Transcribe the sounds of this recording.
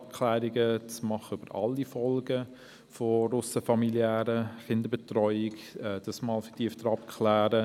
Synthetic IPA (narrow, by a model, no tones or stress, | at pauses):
pkʰlæːɾiɡət͡smɑχəʏbəɾɑ̰lːifɔlɡə | foɾʊsəfɑmiljæːɾəχɪndəbetrɔʏɪkɛd̥ɑsmɑːlfə̥tiəftəɾɑpkʰχlæːɾə